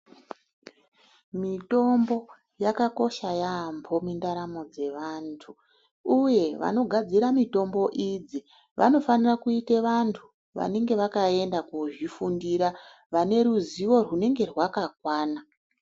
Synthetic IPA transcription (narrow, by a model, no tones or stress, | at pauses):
mito̞mbo̞ | jakako̞ʃajambʰo̞mindaɾamo̞d͡ze̞ʋantʰu | uje̞ʋa̰no̞ɡʱad͡ziɾamito̞mbo̞ʔid͡zi | ʋa̰no̞fanirakuiteʋantʰu̥ | ʋa̰ne̞ŋɡe̞ʋakae̞ndakuʐifundiɾa | ʋane̞ɾuziwo̞rwune̞ŋɡe̞rwakakwaːna